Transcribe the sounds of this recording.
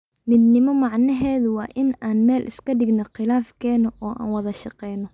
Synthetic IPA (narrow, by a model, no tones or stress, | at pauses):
mɪd̪nɪmɔmɑʕnɐɦɛːðʊwɑːʔɪnaːnmɛːlʔɪ̰skʰɐɖɪɡnɔqɪlaːfkʰɛːnɔʔɔːʔa̰ːnwɐðɐʃɑqɛjnɔ